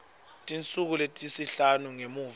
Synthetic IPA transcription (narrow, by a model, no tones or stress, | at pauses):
tʼint͡sʼuk̬uletʼisiɬanuŋemuːv